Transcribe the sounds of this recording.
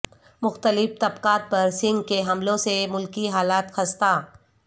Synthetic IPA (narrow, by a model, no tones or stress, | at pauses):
mʊxt̪əlɪft̪ɐbkaːt̪̚pɐɾsɪ̃ŋɡkeɦɐmlõsemʊlkiɦaːlaːt̪xɐst̪aː